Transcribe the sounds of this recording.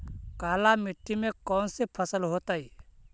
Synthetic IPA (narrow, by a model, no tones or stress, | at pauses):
kaːlamɪʈːimẽkɔːnsepʰəsəlɦoːt̪aːi